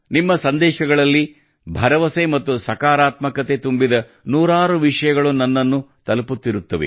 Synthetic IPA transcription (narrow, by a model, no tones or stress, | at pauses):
nimːɐsɐnd̪ɛːʃɐɡɐɭɐlːi | bʱɐɾɐʋɐsemɐt̪ːusɐkaːɾaːt̪mɐkɐt̪e̞t̪umbid̪ɐ | nuːɾaːɾuʋiʂɐjɐɡɐɭunɐnːɐnːut̪ɐlɐput̪ːiɾut̪ːɐʋḛ